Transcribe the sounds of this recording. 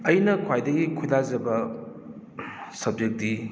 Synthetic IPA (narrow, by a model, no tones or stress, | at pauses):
ɐjnɐkʰwajdɐɡikʰujlazɐbɐ | sɐb̚d͡ʒek̚di